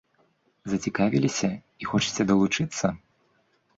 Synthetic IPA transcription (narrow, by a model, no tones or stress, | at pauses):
zɐt͡sʲikavʲilʲisʲɐ | ixɔt͡ʂɐ̥t͡sʲɛd̪ɐlˠut͡ʂɨt̪sːɐ